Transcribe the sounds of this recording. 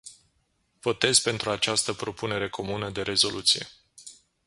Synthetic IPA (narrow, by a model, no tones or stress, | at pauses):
v̥o̞t̪e̞zpe̞nt̪ɾuat͡ʃast̪əpɾo̞pune̞ɾe̞kʰo̞munəd̪e̞ɾe̞zo̞lʔut̪sije̞̰